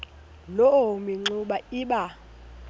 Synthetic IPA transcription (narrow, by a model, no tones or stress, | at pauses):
loomiŋ͡ǀuɓaiːɓa